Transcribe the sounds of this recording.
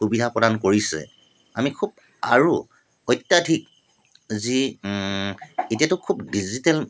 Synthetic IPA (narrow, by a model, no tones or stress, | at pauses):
xubidʱapɹɔdankoɹisɛ̰ | a̰mikʰub̚ | a̰ɹu | ɔjtːjadʱik̚ | zi | etiatʊkʰubdizitɛl